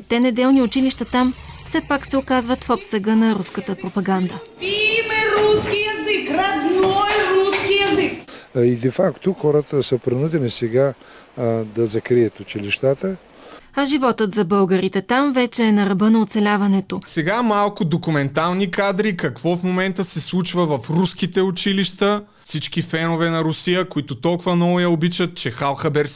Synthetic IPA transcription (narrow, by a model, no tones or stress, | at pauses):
ɛt̪ːɛnɛd̪ɛlˠniʊt͡ʃiliʃt̪ɐt̪am | fsɛpaksɛokazvət̪fɔpsəɡənɐɾuskət̪əpɾopɐɡand̪ə | imɛɾuskijɛzikɾɐd̪nɔɛɾuskijɛzikid̪ɛfakt̪oxɔɾət̪əsəpɾinud̪ɛnisɛɡa | d̪ɐzɐkɾiət̪ʊt͡ʃiliʃt̪at̪ə | ɐʒivɔt̪ət̪zɐbɤlˠɡəɾit̪ɛt̪amvɛt͡ʃɛːnɐɾɐbɤnɐot̪sɛlʲavɐnɛt̪osɛɡamalˠkʊd̪okumɛnt̪alˠnikad̪ɾikɐkvɔfmomɛnt̪əsɛslˠut͡ʃvɐvɐfɾuskit̪ɛʊt͡ʃiliʃt̪ə | fsit͡ʃkifɛnovɛnɐɾʊsijəkʊit̪ʊt̪ɔlˠkʊvɐnɔjɐobit͡ʃət̪̚t͡ʃɛxalˠxɐbɛɾs